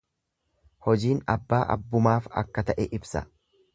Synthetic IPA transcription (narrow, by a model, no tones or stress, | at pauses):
hɔd͡ʒiːnɐbːaːʔɐ̰bːʊmaːfɐ̰kːɐt̪ɐʔɛʔɪbsɐ̰